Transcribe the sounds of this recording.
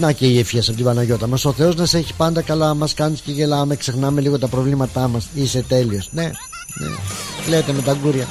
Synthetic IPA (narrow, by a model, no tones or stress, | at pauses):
nɐceiefçesɐpot̪ibɐnɐʝo̞t̪ɐmɐso̞θe̞o̞znɐseçi̥pɐnd̪ɐkɐlɐmɐskɐnisce̞ʝe̞lɐme̞kse̞xnɐmeliɣo̞t̪ɐpɾo̞vlimɐt̪ɐmɐsise̞t̪e̞lio̞sne̞ | nḛle̞t̪eme̞t̪ɐɡuɾʝɐ